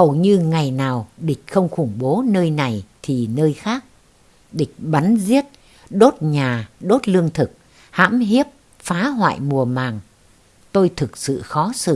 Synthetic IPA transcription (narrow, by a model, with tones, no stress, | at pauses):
hə˨˩wɲɨ˧ŋa˨˩jnaː˨˩wɗï˨˩k̟̚xə˧wŋ͡mxʊ˧˩ŋ͡mɓo˨˦nəː˧jna˨˩jt̪ʰi˨˩nəː˧jxaː˦˥k̚ | ɗï˨˩k̟̚ɓa˨˦nzi˦˥ət̚ | ɗo˦˥t̚ɲaː˨˩ɗo˦˥t̚lɨ˧əŋt̪ʰɨ˨˩k̚ | ha̰ː˧˥mɦi˦˥əp̚ | faː˨˦ɦwa̰ː˧˨jmu˨˩əmaː˨˩ŋ | t̪o˧jt̪ʰɨ˨˩k̚sɨ̰˧˨xɔ˨˦sɨ̰˧˨